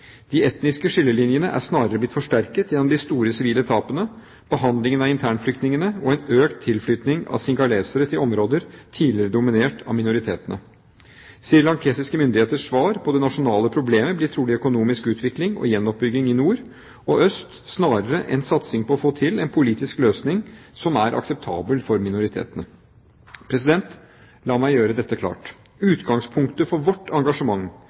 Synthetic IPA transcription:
d̪̥iɛt̪nɪskəʂɪlːəlɪnjənəʔæ̰ʂnɑːɾəɾəblɪt̪fɔʂʈæɾkət̪jɛnɔmd̪ɪst̪uːɾəsɪʋiːlət̪ʰɑːpənə | b̥əɦɑnd̪lɪŋənɑɪnt̪ʰæːɳflʏk̚t̪nɪŋənəɔɛnøːkt̪ʰːɪlflʏt̪nɪŋɑ̰ʋsɪŋɡɑleːsəɾət̪ʰɪlʔɔmɾoːd̪əɾt̪ʰiːlɪəɾəd̪ʊmɪneːʈʰɑ̰ʋmɪnʊɾɪt̪ʰḛːt̪ənə | siːəɾɭɑŋk̪ʰeːsɪskəmʏnd̪ɪheːt̪əʂsʋɑːɾpʰɔd̪ɛnɑʂʊnɑːləpʰɾʊbleːməblɪʈ̪ʰɾuːlɪœkʊnuːmɪskʉːt̪ʰʋɪklɪŋɔ̰jɛnːɔp̚bʏɡːɪŋɪnuːɾ | ɔʔœst̪snɑːɾəɾəʔɛ̰nsɑt̪sɪŋpʰɔɔfoːt̪ʰɪlɛnpʰʊliːt̪ɪskløːsnɪŋsɔmæɾʔɑ̰ksɛp̚t̪ʰɑ̰ːbəlfɔɾmɪnʊɾɪt̪ʰḛːt̪ənə | pʰɾɛsɪd̪ɛnt̪ | lɑːmæɪjøːɾəd̪ɛt̪ːəkʰlɑ̰ːʈ | ʉːt̪ɡɑŋspʰʊŋkt̪əfɔɾʋɔʈːɑŋɡɑʂəmɑŋː

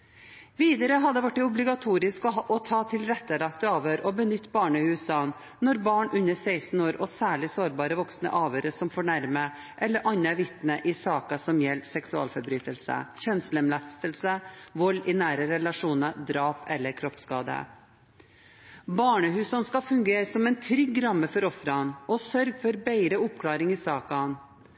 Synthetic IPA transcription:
ʋiːd̪əɾəɦɑd̪əʋæʈːɪʊblɪɡɑt̪ʰuːɾɪskɔɔt̪ʰɑːt̪ʰɪlɾɛt̪ːəlɑkt̪əɑːʋhøːɾɔbənʏt̪ːbɑːɳəhʉːsɑn | nɔɾbɑːɳʔʉnːəsæɪsn̩oːɾʔɔsæːɭɪsoːɾbɑːɾəʋɔksnə̰ʔɑːʋøːɾəsɔmfɔɳæɾmə | ʔɛlːəɾʔɑɲːəʋɪt̪nəʔɪsɑːkɑsɔmjɛlːsɛksʉɑ̰ːlfɔɾbɾyːt̪əlsə̰çɛnsləmlɑst̪əlsəʋɔlːɪnæːɾəɾɛlɑʂuːnəd̪ɾɑːpɛlːəɾkʰɾɔpskɑːd̪ə̰ | bɑːɳəɦʉːsɑnskɑfʉŋɡeːɾəsɔmɛɪnt̪ʰɾʏɡːɾɑmːəfɔɾɔfɾɑnɔsœɾɡfɔɾbæɪɾəʊpkʰlɑːɾɪŋɪsɑːkɑn

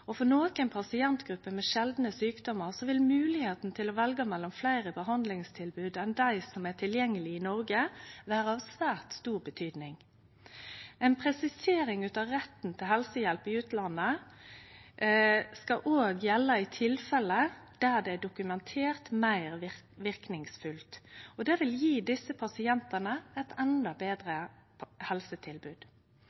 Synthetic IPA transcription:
ɔfɔnoːkənpʰɑsɪɛnt̪ɡ̥ɾʉpːəmɛʃɛld̪nəsyːkd̪ɔməʁsɔʋɪlmʉːlɪheːt̪n̩t̪ʰɪlɔʋɛlɡəmɛlːɔmflæɪʁəbəɦɑnd̪lɪŋst̪ʰɪlbʉːd̪ɛnd̪æɪsɔmæʈʰɪljɛŋːəlɪɪnɔʁɡəʋæːʁəɑʋsʋæːʁt̪st̪uːʁbət̪ʰyːd̪nɪŋ | ɛɪnpʰʁɛsɪseːɾɪŋʉːt̪ɑʁɛt̪n̩t̪ʰɪlhɛlsəjɛlpɪʉːt̪lɑnːə | skɑʔoːɡjɛlːəɪt̪ʰɪlfɛləd̪̥æːd̪ɛæɖʊkʉmɛnt̪ʰeːʁt̪mæɪʁ | ʋɪʁknɪŋsfʉlt̪ɔd̪ɛːʋɪljiːd̪ɪsəpʰɑsɪɛnt̪ənəɛt̪ɛnd̪ɑbeːd̪ʁəhɛlsət̪ʰɪlbʉːd̪̥

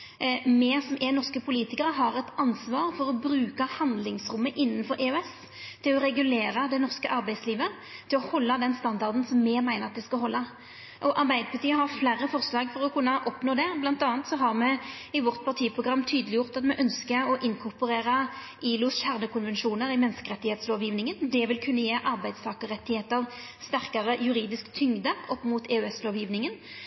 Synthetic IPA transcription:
mɛsɔmɛnɔʁskəpʰʊliːt̪ɪkəʁəɦɑʁɛt̪ɑnsʋɑːʁfɔɾɔbɾʉːkəhɑnd̪lɪŋsɾʊmːəʔɪnːənfɔɾeʉɛs | t̪ʰɪlɔɾɛɡʉleːɾəd̪ɛnɔʁskəʔɑɾbæɪsliːʋə | t̪ʰɪlɔhɔlːəd̪ɛnst̪ɑnd̪ɑʁd̪n̩sɔmːɛmæɪnəʁɑt̪̚d̪ɛskɑɦɔlːɑ | ʔɔʔɑɾbæɪd̪əpʰɑʁt̪iːəɦɑʁflæːɾːəfɔʁslɑːɡfɔɾɔkʰʉnːəʔɔpnoːd̪ɛblɑnt̪ɑːnt̪sɔɦɑʁmɛɪʋɔʁt̪pʰɑʁt̪ʰiːpʰʁʊɡɾɑmːt̪ʰyːd̪əlɪjʊʁt̪ɑt̪mɛʔœnskəɔʔɪnkʰʊʁpəʁeːʁɑ | ʔiːlʊsçæʁnəkʰʊnʋɛnʃuːnəɾɪmɛnskəʁɛt̪ːɪheːt̪sloːʋjiːʋnɪŋənd̪ɛʋɪlkʰʉnːəjeːʔɑɾbæɪd̪st̪ʰɑːkəʁɛt̪ːɪheːt̪əʁ | st̪æʁkɑʁəjʉɾiːd̪ɪskt̪ʰʏŋd̪əʔɔpːmuːt̪eːʉɛsloːʋjiːʋnɪŋən

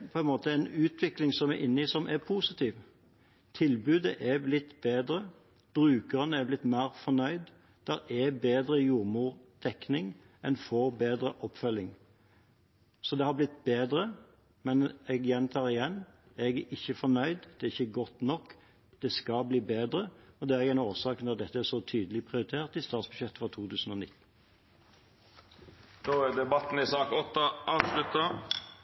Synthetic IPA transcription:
pʰɔɛnmoːt̪əɛnʉːt̪ʰʋɪklɪŋsɔmɛɾʔɪnːəisɔmʔɛpʰusɪt̪ʰiːʋ | t̪ʰɪlbʉːd̪əʔɛblɪt̪ːbeːd̪ɾə | b̥ɾʉːkəʁənəæblɪt̪mæːɾfɔnœʏd̪ | d̪̥æɾɛbeːd̪ɾəjuːʁmuːɾd̪̥ɛknɪŋ | ɛnfoɾbeːd̪ɾəʔɔpːfœlːɪŋ | sɔd̪ɛhɑblɪt̪ːbeːd̪ɾə | mɛnɛɡjɛnt̪ʰɑːʁɪjɛnː | ɛɡæʔɪçːəfɔnœʏd̪d̪̥ɛæɪçːəɡɔt̪nɔkː | d̪̥ɛskɑbliːbeːd̪ʁəɔd̪ɛæʁɛɡæɪnoːsɑːknɔʁd̪ɛt̪ːəæsɔt̪ʰyːd̪əlɪpʰʁɪʊɾɪt̪ʰeːʁt̪ɪst̪ɑːt̪sb̥ʉʃjɛt̪ːfʁɔt̪ʰuːt̪ʰʉːsən̩ɔːnɪt̪̩ː | noːæɖ̪ɛbɑt̪n̩ɪsɑːkɔt̪ːəʔɑːʋslʉt̪ɑ

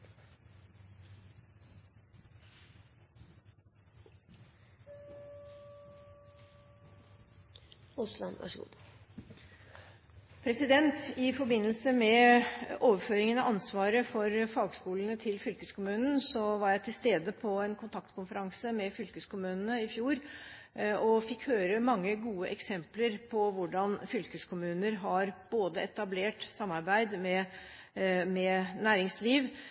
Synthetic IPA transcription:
ʊslɑ̰nʋɑ̰ʂɡṵː | pʰɾɛsɪd̪ɛnt̪ɪfɔbɪnːəlsəmɛ | oːʋəføːɾɪŋənɑʔɑnsʋɑːɾəfɔɾfɑːɡskuːln̩ət̪ʰɪlfʏlkəskʊmʉːnn̩sɔʋɑɾjæɪt̪ʰɪlst̪eːd̪əpʰɔɛnkʰʊnt̪ʰɑkt̪kʰʊnfəɾɑŋsəmɛfʏlkəskʊmʉːnənəɪfjuːɾ | ɔfɪkhøːɾəmɑŋːəɡuːəʔɛksɛmpləɾpʰɔʋʊɖɑnfʏlkəskʰʊmʉːnəɾɦɑɾb̥oːd̪əɛt̪ɑbleːʈsɑmːɑɾbæɪd̪mɛ | mɛnæːɾɪŋsliːʋ

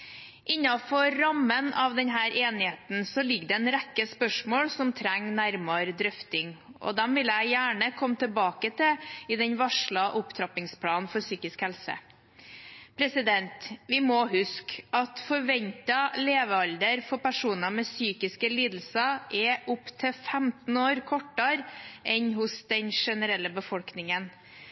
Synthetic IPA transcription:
ʔɪɲːɑfɔɾɑmːənɑʋd̪ɛnɦæːɾʔeːnɪheːt̪n̩sɔlɪɡːɖɛɛnɾɛkːəspœʂmoːɽsɔmt̪ʰɾæŋːnæɾmɑɾd̪ɾœft̪ɪŋʔɔ̰d̪ɛmʋɪlæɪjæːɳəkʰɔmːt̪ʰɪlbɑːkət̪ʰɪɪd̪ɛɲʋɑʂɭɑʔʊpt̪ʰɾɑpɪŋspʰlɑːnnfɔɾsyːkɪskhɛlsə̰ | pʰɾɛsɪd̪ɛnt̪ʋɪmɔɦʉskɑt̪fɔɾʋɛnt̪ɑleːʋəɑld̪əɾfɔɾpæʂuːnɑmɛsyːkɪskəliːd̪l̩sɑʔɛʔʊpt̪ʰɪfɛmt̪n̩oːɾkʰɔʈːɑɾʔɛnɦʊsd̪ɛnʂɛnəɾɛlːəbəfɔlknɪŋən

